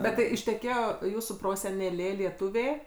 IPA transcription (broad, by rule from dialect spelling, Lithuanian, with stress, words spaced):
ˈbʲɛt tɐɪ ɪʃʲtʲɛˈkʲeːjoː ˈjuːsuː proːsʲɛnʲɛˈlʲeː lʲiɛˈtʊʋʲeː